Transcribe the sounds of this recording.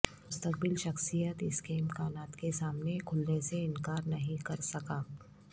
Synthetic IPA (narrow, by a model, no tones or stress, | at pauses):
mʊst̪ək̚bɪlʃɐxsijət̪ɪskeɪmkaːnaːt̪kesaːmnekʰʊlneseɪnkaːɾnɐɦĩkɐɾsɐkaː